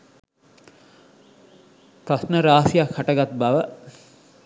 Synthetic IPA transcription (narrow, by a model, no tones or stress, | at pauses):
pɾasnəɾaːsijakʰhaʈəɡat̪̚baʋə